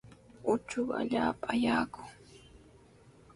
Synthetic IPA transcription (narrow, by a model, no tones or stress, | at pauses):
ʊt͡ʃʊka̰ʎaːpaajaːkʊŋ